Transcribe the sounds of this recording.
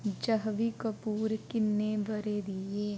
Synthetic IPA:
d͡ʒɐɦʋikəpuːɾkɪnːebəɾed̪ieː

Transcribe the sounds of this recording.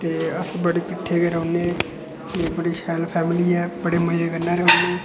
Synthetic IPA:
t̪eːəsbəɽeːkɪʈʰːeːkeɾoːneː | kebəɽiːʃɛːlpʰɛːmɪliːɛːbəɽeːməjeːɡənːaːɾəɦoːneː

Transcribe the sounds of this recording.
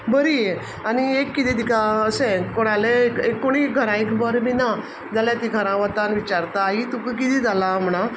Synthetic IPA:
bəɾie | aniekːit̪iːd̪ikaəsẽkoɽ̃alekekːoɽ̃iɡʱəɾãekbəɾmina | d͡zaljat̪iɡʱəɾãʋət̪anʋit͡ɕaɾt̪aːɦit̪ukk̬it̪iːd͡zalam̤ɳ̃a

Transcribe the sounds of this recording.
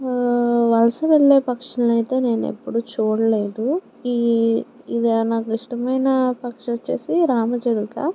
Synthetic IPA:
ʋɐlɐsɐʋeɭːeːpɐkʂɐnɐɐjt̪e̞ːne̞ːnḛpːuɽut͡ʃuːɽɐle̞ːd̪u | i | id̪ɐnaːkuiʂʈɐmɐjnɐpɐkʂɐt͡ʃːe̞̰ːsiɾaːmɐd͡ʒɐlukɐ̰

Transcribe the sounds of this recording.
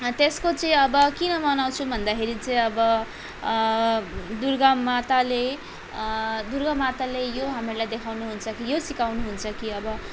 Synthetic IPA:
t̪eskot͡sʌĩʌbʌkinʌmʌnaw̃t͡sʰubʱʌnd̪akʰeɾit͡sʌĩʌbʌ | d̪urɡamat̪ale | d̪urɡʌmat̪alejoɦamirlajd̪ekʰawnuɦunt͡sʰʌkijosikawnuɦunt͡sʰʌkiʌbʌ

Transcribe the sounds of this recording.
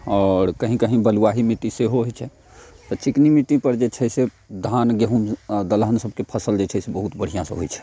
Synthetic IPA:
ɔːɾkəɦĩkəɦĩbəluaɦimit̪iseɦoɦot͡ʃʰɛ | t̪ɔt͡ʃiknimit̪ipəɾd͡ʒet͡ʃʰɛse | d̪ʱanɡeɦumd̪əlɦənsəb̚kepʰəsəld͡ʒet͡ʃʰɛsebəɦut̪bəɽ̤ijãsə̰̃ɦojt͡ʃʰɛ̥

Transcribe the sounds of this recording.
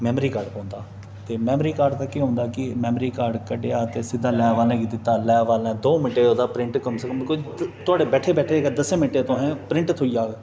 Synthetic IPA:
mɛːmɾiːkaːɾɖpɔ̃ːnd̪a̰ː | t̪eːmɛːmɾiːkaːɾɖt̪aːkːiɦõːnd̪aːkɪmɛːmɾiːkaːɾɖkəɖeaːt̪eːsɪd̪aːlɛːʋaːlɛ̃ːkid̪ɪt̪ːaːlɛːʋaːlɛ̃ːd̪oːmɪʈeːɦõːd̪aːpɾɪ̃ɳʈkəmsəkəmkʊd͡ʒt̪ʊaːɖeːbɛːʈʰeːbɛːʈʰeːkːd̪əsemɪʈeːt̪õːɦɛ̃ːpɾɪ̃ɳʈt̪ʰoːijaːɡ

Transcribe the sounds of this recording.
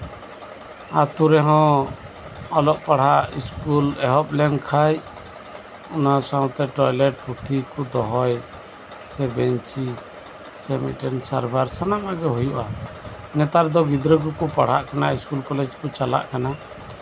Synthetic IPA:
at̪uɾɛɦɔ̃ | ɔlɔʔpaɽ̤ɦaʔiskulɛɦɔp̚lɛŋkʰaj | ɔnasãw̃t̪ɛʈɔjlɛʈ̚puʈʰikud̪ɔɦɔj | sɛbɛɲt͡ʃi | sɛmḭʈɛnsaɾbaɾsanamaɡɛɦujuʔa | nɛt̪aɾd̪ɔɡid̪ɾəɡukupaɽ̤aʔkanaiskulkɔlɛd͡ʒkut͡ʃala̰ʔkana

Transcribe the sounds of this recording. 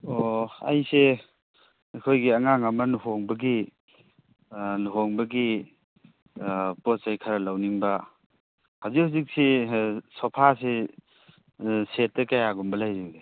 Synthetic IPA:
oa̰jse | ajkʰojɡiɐŋaŋɐmɐnuɦoŋbɐɡi | nuɦoŋbɐɡi | posajkʰaɾɐlawniŋbɐ | hawzihuzik̚sisɔpʰase | set̚ːɐkajaɡumbɐlajziŋde

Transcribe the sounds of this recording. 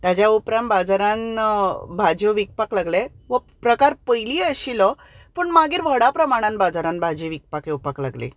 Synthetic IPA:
t̪jad͡ʑjaupɾambad͡zaɾan | bʱad͡ʑɔʋik̚paklaɡle | ʋə | pɾəkaɾpəjliəɕilɔ | pəɳmaɡiːɾʋəɽapɾəmaɽ̃ãnbad͡zaɾanbʱad͡ʑiʋik̚pakjeupakla̰ɡlḛ

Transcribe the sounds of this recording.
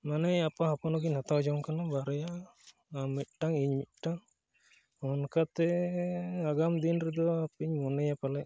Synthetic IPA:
manɛjapaɦapɔnɔɡiɲhat̪awd͡ʒawŋkanabaɾɛja | amit̪̚ˀʈaŋiɲmit̪̚ˀʈaŋ | ɔnkat̪ɛ | aɡamd̪inɾɛd̪ɔapiɲmɔnɛjapalɛʔ

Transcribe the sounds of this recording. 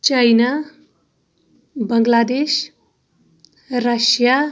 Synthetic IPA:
t͡ʃajna | bʌŋɡlad̪es | rʌsja

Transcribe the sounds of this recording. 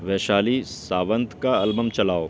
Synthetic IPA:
ʋɛːʃaːlisaːʋə̃nt̪kaɐlbəmt͡ʃɐlaːoː

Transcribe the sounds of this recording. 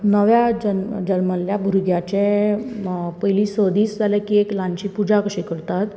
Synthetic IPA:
nəʋjad͡ʑənd͡ʑəɾməlːjabʱuɾɡjat͡ɕe | pəjlisəd̪iːsd͡zalakieklãnt͡ɕipud͡ʑakəɕikəɽt̪at̪

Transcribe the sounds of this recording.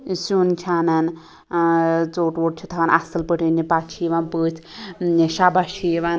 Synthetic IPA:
sunt͡ʃʰanan | t͡soʈwoʈ̚t͡ʃʰit̪ʰaʋanʔa̰sɐlpəʈʰinipat͡ʃʰiʋanpɨt͡sʰʃabaʃʰijʋan

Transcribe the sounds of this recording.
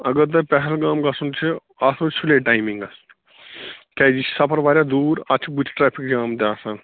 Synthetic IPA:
ɐɡəɾt̪̬ɐpɛɦəlɡaːmɡasunt͡ʃʰe | aːsot͡ʃʰuleʈaːjmĩŋɡɐs | kaːd͡ʒit͡ʃsɐpʰəɾʋaːɾjaːd̪uːɾat͡ʃʰbut͡ʃʰʈɾɛːpʰikd͡ʒaːmt̪eaːsãn

